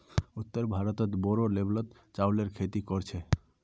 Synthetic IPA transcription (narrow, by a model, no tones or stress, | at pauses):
ut̪ːəɾbʱaɾɔt̪ɔt̪bɔɾoleblɔt̪ | t͡ʃawleɾkʰet̪ikɔɾt͡ʃʰe